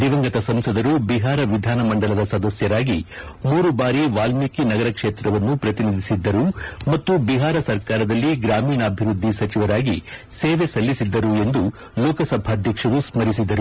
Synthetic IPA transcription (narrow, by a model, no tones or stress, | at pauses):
d̪iʋɐŋɡɐt̪ɐsɐmsɐd̪ɐɾubiɦaːɾɐʋid̪ʱaːnɐmɐɳɖɐlɐd̪ɐsɐd̪ɐsjɐɾaːɡimuːɾubaːɾiʋaːlmikinɐɡɐɾɐkʂeːt̪ɾɐʋɐnːupɾɐt̪inid̪ʱisid̪ːɐɾumɐt̪ːubiɦaːɾɐsɐɾkaːɾɐd̪ɐlːiɡɾaːmiːnɐːbʱiɾud̪ʱːisɐt͡ʃiʋɐɾaːɡi | seːʋesɐlːisid̪ːɐɾue̞nd̪u | lɔːkɐsɐbʱaːd̪ʱjɐkʂɐɾusmɐɾisid̪ːɐɾu